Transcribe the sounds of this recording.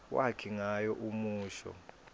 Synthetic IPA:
wʔakʰiŋajɔʔumuːʃɔ̰

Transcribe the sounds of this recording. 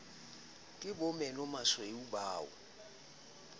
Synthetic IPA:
kʼɪbɔmɛlɔmasɔeubaːɔ̰

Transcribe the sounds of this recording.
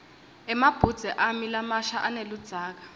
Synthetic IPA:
ɛmab̥ʱud̥z̥ʱɛʔamilamaʃaʔanelud̥d͡z̥ʱaːk̬ḁ

